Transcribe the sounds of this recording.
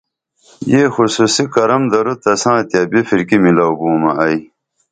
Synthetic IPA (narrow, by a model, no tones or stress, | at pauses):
jeːxususikɐɾɐmd̪ɐɾut̪ɐsãːt̪jaːbifiɾkimilawbuːmɐ̰ʔɐj